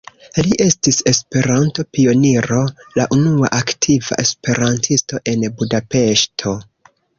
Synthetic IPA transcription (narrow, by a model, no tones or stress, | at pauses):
liʔe̞stise̞spe̞ɾanto̞pio̞niɾo̞laʔunua̰ʔaktʰiva̰ʔe̞spe̞ɾantʰisto̞ʔe̞nbudape̞ʃtʰo̞